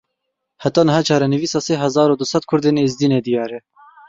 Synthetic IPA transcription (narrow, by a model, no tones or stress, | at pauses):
hæt̪ɑːnɨɦɑːt͡ʃʰɑːɾɛnɨviːsɑːseːɦɛzɑːɾoːd̪ʊsɛt̪̚kʰʊɾd̪eːnːzd̪iːned̪ijɑːɾɛ